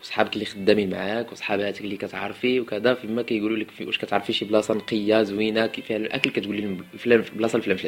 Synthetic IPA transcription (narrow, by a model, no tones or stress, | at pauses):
wsˤħɑbəklːixəd̪ːæmima̰ʕakwsˤħɑbhæt̪əklikæt̪ʕɑɾˤfiwkæd̪æfimækæjɡululəkwə̰ʃkæt̪ʕɑɾˤfiʃiblɑsˤɑnqəjːazwinakfilʔæ̰kəlkæt̪ɡulilæmblɑsˤɑlflæmflæ